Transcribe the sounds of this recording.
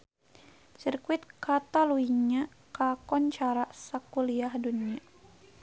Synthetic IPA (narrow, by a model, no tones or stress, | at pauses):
sirkuit̪̚kat̪aluiɲa | kakɔnt͡ʃaɾasakuliahdunia